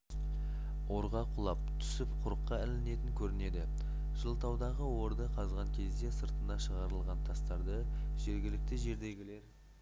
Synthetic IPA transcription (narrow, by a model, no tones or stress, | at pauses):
wo̞ɾʁɑqʰʊlˠɑp̚t̪ʰʏ̥sɪpqʰʊɾəqːɑɪlɪne̞t̪ɪŋkʲʰɵɾɪne̞d̪ɪ | ʒ̥əlˠt̪ʰɑwd̪ɑʁəwo̞ɾd̪əqʰɑzʁɑŋkʲʰe̞zd̪e̞səɾt̪ənɑʃəʁɑɾəlˠʁɑnt̪ʰɑst̪ɑɾd̪əʒ̥e̞ɾɡʲɪlɪk̚t̪ɪʒe̞ɾd̪eɡʲɪle̞ɾ